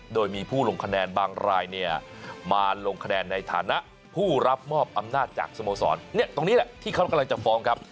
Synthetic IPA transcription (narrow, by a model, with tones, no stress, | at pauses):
doː˧jmiː˧pʰuː˥˩lo˧ŋkʰa˧nɛː˧nbaː˧ŋɾaː˧jni˥˩ɐmaː˧lo˧ŋkʰa˧nɛː˧nːa˧jt̪ʰa̰ː˩˦na˦˥ʔ | pʰuː˥˩ɾa˦˥p̚mɔː˥˩p̚ʔa˧mnaː˥˩t̪̚t͡ɕa̰ː˨˩k̚so˧moː˧sɔ̰ː˩˦nːi˦˥˩ɐt̪o˧ŋniː˦˥lɛ˧˩t̪ʰiː˥˩a˦˥wka˧mla˧ŋt͡ɕa˨˩fɔː˦˥ŋkʰa˦˥p̚